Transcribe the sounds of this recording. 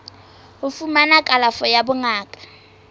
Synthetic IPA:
ʊfumanakʼalafɔjabʊŋaːkʼḁ

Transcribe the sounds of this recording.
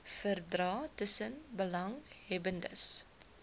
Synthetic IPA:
fərdrɑːtəsənbəlɐŋɦɛbəndə̰s

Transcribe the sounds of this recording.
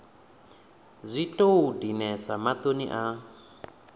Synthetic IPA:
zʷitʼoudinɛsamat̪onḭʔa

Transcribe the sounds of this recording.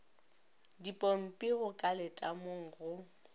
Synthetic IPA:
dipʼɔm̩pʼiɣʊkʼalɪtʼamoŋ̩ɣʊ

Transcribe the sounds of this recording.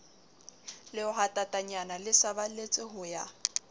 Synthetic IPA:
lɪʊɦatʼatʼaɲanalɪsabalet͡sʼɪɦʊja

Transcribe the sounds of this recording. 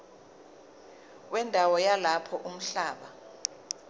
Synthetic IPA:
wɛndʱawɔjalapʰɔʔum̩ɬaːɓa

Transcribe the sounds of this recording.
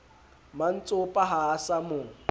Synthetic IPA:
man̩t͡sʼʊpʼaɦaːsamʊ

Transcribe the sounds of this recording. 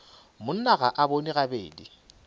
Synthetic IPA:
mʊn̩naɣaʔaboniɣabḛːdi

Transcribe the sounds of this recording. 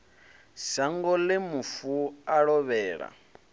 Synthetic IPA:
saŋɡɔlɪmufuaɺɔβɛːɺa̰

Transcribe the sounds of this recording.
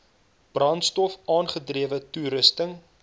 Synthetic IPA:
b̥rɐntstɔfɑːnχədriəvətuɾəstəŋ

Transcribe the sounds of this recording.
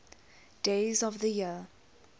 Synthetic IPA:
d̥eɪzɔvðəjiə

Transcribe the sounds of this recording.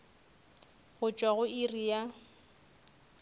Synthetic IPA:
ɣʊt͡ʃʼwaɣʊirija

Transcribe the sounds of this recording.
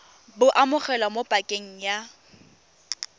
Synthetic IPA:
bʊʔamʊχɛlwamopʼakʼeŋ̩ja

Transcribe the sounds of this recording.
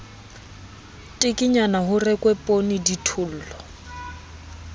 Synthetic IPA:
tʼɪkʼɪɲanaɦʊrɛkʼwɛpʼoniditʰʊl̩ːlɔ

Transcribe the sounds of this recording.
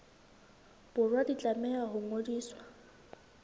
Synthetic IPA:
b̥ʊrwadit͡ɬʼamɛaɦʊŋodiːswa

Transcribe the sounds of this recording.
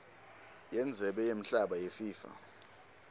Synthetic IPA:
jɛnd͡zʱɛɓɛjem̩ɬaɓajefiːfa̰

